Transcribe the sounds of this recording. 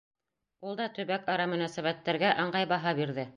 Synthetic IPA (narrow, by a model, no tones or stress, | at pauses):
ulˠd̪ɑt̪ɵ̆βækɑɾɑmɵ̆næsæβæt̪ːæɾɡæʔɑɴɢɑjβɑɦɑβiɾðɘ